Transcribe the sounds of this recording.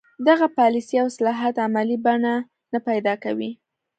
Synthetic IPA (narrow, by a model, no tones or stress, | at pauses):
d̪aɣapɑlisiawsalɑɦat̪amalibaɳa | napajd̪ɑkawi